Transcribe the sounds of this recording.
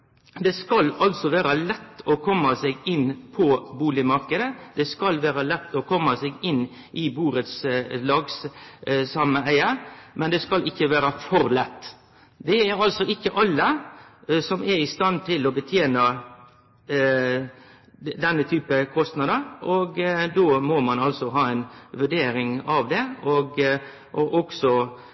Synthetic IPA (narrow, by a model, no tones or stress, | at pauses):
d̪ɛskɑlɑlsɔʋæːɾɑlɛt̪ːɔkʰɔmːɑsɛɡɪnpʰɔbuːlɪmɑɾkəd̪əd̪̥ɛskɑlʋæːɾɑlɛt̪ːɔkʰɔmːɑsɛɡɪn | ʔɪbuːɾət̪slɑːɡssɑməæɪɑmɛnd̪ɛskɑlʔɪkːəʋæːɾəfɔɾlɛt̪ː | d̪ɛæɾɑlsɔɪkːəʔɑlːə | sɔmæɾɪst̪ɑnt̪ʰɪlɔbət̪ʰjeːnə | d̪ɛnːət̪ʰyːpəkʰɔst̪nɑd̪əɾɔɡd̪oːmɔmɑnɑlsɔɦɑːɛɪnʋʉɖeːɾɪŋɑʋd̪ɛɔɡ | ʔɔʔɔksɔ